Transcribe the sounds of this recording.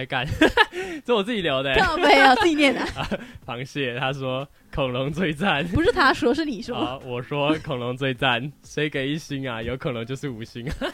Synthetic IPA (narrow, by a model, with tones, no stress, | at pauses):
ɪka˥˩n | t͡sɔ˥˩wɔ˨˩t͡sɹ̩˥˩t͡ɕi˨˩ljɑ˧˥ʊd̪ə˧˥˧e˥˩a˧˩˥i˧njɛ˥˩nə˩ɐ˧˩pʰɑ˧˥ŋɕjɛ˥˩t̪ʰa˥ʂwɔ˥ | kʰo˨˩ŋlɤ˧˥ŋt͡swe˥˧ɪt͡sa˥˩npu˧˥ʂɻ̩˥˩t̪ʰa˥ʂwɔ˥ʂ̬ɻ̩˥˩ni˨˩ʂwɔ˥˩wɔ˨˩ʂwɔ˥kʰo˨˩ŋno˧˥ŋt͡swe˥˧ɪt͡sa˥˩nʂe˧˥ɪke˨˩ɪi˥˩ɕi˥ŋɐ˨jo˧˥ʊkʰɤ˨˩nɤ˧˥ŋt͡ɕjo˥˧ʊʂɻ̩˥˩u˨˩ɕi˥ŋɐ˨˩